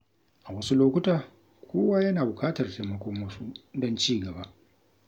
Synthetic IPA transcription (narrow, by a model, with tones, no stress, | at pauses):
ʔa˨wɐ˦su˦loː˦kʷʊ˦taː˨ | kʷoː˦waː˦jɐ˦naː˨bʊ˨kaː˦tɐ˨rteː˨mɐ˨kʷɔ˦mːɐ˦su˦dɔ˦nt͡ʃiː˦˨ɡɐ˨ba˦ʔ